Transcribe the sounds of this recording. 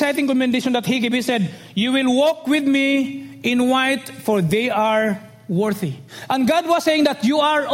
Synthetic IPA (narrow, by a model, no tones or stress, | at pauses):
ajt̪ɪ̃ŋkɔ̃mɛnd̪eʃɔ̃nd̪ɐt̪̚hiɡebisɛd̪ | juwɪlwɔk̚wɪd̪miʔɪ̃nwajt̪fɔɹðejaɹ | wɛɹθi | ʔɐ̃nɡad̪̚wɔsːejɪŋd̪ɐt̪juaɹ